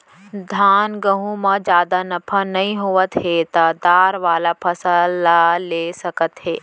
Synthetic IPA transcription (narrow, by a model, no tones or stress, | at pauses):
d̪ʱaːnɡɐɦũmãd͡ʒjaːd̪anɐpʰanɐɦĩɦoʋət̪ɦet̪ɐd̪aːɾʋaːlapʰɐsəaleːsɐkət̪ɦeː